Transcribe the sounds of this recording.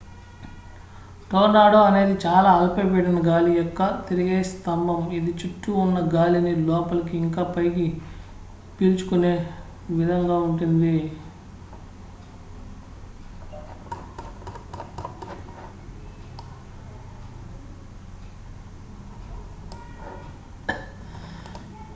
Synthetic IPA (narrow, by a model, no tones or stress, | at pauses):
ʈoːɖaːɽoːɐne̞ːd̪it͡ʃaːlaːɐlpɐpɛɽɐnɐɡaːlijɔkːɐt̪iɾiɡeːst̪ɐmbʱɐmid̪it͡ʃuʈːuːnːɐɡaːlinilɔːpɐlɐk̬iiŋkaːpɐjɡi | piɾt͡ʃu̥kune̞ː | ʋid̪ʱɐŋɡaːuɳʈund̪i